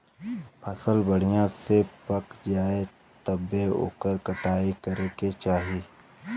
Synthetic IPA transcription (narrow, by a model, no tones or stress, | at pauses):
pʰɐsəlbəɽ̤ijãsepɐkd͡ʒaːe | t̪əbeo̰ːkəɾkɐʈaːikɐɾeket͡ʃaːɦieː